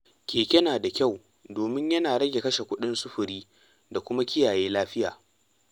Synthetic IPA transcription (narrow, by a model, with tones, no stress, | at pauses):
kʲeː˨kʲɛ˦naː˨da˨kʲa˦˨w | doː˨mɪ˦ɲjɐ˦naː˨ɽɐ˦ɡʲe˨kɐ˦ʃe˨kʷʊ˦ɗɪ˦nsʊ˦ɸʊ˨ɾiː˦ | da˨kʷʊ˦ma˦kʲɪ˦jaː˨jeː˦laː˦ɸɪ˦jaː˨